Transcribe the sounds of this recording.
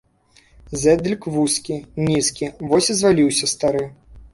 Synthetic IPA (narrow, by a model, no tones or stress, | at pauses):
zʲɛd̪lʲikvuskʲinʲiskʲivɔsʲizvalʲiwsʲɐst̪aɾɨ